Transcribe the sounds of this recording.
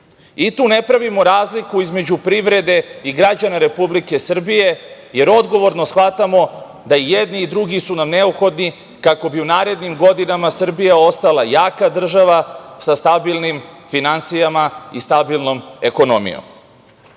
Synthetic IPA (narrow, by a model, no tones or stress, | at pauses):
it̪uːne̞pɾaʋimo̞ɾaːzlikuizme̞d͡ʑupɾiʋɾe̞d̪e̞iɡɾad͡ʑanaɾe̞publike̞sr̩bije̞ | je̞ɾo̞d̪ɡo̞ʋo̞ɾno̞sxʋat̪amo̞ | d̪aijed̪niːd̪ɾuɡisunamne̞upxo̞d̪ni | kako̞biunaːɾe̞d̪nimɡo̞d̪inamasr̩bijao̞st̪alajaːkad̪r̩ʒaʋasast̪abilˠnimfinant̪sijamaist̪abilˠno̞me̞ko̞no̰mḭjo̰m